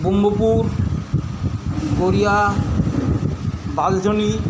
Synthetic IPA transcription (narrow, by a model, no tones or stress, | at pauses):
bombopuɾ | ɡoɾija | bald͡ʒʱoni